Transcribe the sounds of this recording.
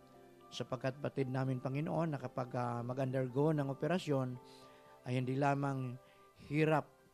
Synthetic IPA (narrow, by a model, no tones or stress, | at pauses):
sɐpɐɡ̚kat̪̚pɐt̪ɪd̪̚naːmɪnpɐŋɪnoʔo̞nːɐkɐpaɡamɐɡɐnd̪ɛɹɡonɐŋʔopɛɾɐsjo̞n | ʔɐjhɪnd̪ilaːmaŋ | hiːɾap̚